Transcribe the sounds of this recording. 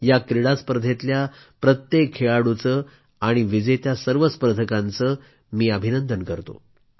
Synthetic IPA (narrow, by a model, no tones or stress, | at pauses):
jakɾiɽaspəɾd̪ʱet̪lja | pɾət̪jekʰːeɭaɽut͡səː | aɽ̃iʋid͡zet̪jasəɾʋəspəɾd̪ʱəkãnt͡səː | miːəbʱinənd̪ənkəɾt̪o̰